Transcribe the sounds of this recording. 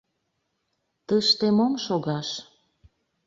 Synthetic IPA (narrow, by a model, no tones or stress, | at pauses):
t̪əʃt̪emomʃoɣɑʃ